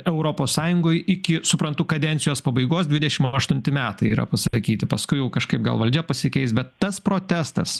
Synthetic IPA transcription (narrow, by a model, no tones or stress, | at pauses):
ɛʊɾoːpoːssɑːjʊŋɡoːjɪkʲɪsʊpɾɐnt̪ʊkɐd̪ʲɛnʲsʲɪjoːspɐbɐɪɡoːsd̪ʲʋʲɪdʲɛʃʲɪmɐʃt̪ʊnʲt̪ʲɪmʲæːt̪ɐɪiːɾɐ̰pɐsɐkʲiːt̪ʲɪpɐskʊɪjɛʊkɐʃkɐɪp̚ɡɐ̰lˠʋɐlʲd͡ʒʲɛpɐsʲɪkʲɛɪsbʲɛt̪ːɐspɾoːt̪ʲæst̪ɐs